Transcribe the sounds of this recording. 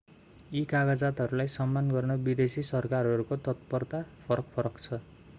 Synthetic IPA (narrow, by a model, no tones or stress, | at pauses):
ikaɡʌd͡zat̪ɦʌɾulajsʌmːanɡʌrnʌbid̪esisʌrkarɦʌɾukot̪ʌt̪pʌrt̪apʰʌɾʌkpʰʌɾʌkt͡sʰʌ